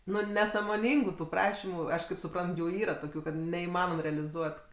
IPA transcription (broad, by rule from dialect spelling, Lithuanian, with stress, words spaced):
ˈnʊ nʲɛsɐmoːˈnʲiːŋɡʊ tʊ ˈprɑːʃʲɪmʊ ˈɐʃ kɐɪp sʊˈprɐnt ˈjuː ˈiːrɐ ˈtoːkʲʊ kɐt nʲɛiːˈmɑːnoːm rʲɛɐlʲɪˈzuɔt